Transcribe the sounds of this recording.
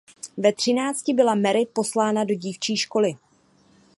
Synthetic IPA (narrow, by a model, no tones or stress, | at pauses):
vɛt̪r̝̥ɪnaːt͡scɪbɪlamɛɾɪpo̞slaːnado̞ɟiːft͡ʃiːʃko̞lɪ